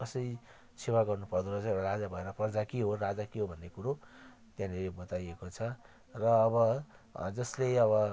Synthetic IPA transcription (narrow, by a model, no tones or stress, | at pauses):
kʌsʌj | sewaɡʌrnupʌrd̪uɾʌt͡sãʌɽaɾad͡zabʱʌeɾʌprʌd͡zakiɦorad͡zakiɦobʱʌnːekuɾo | t̪jãneɾebʌt̪ajekot͡sʰʌ | rʌːβʌd͡zʌsleʌβʌ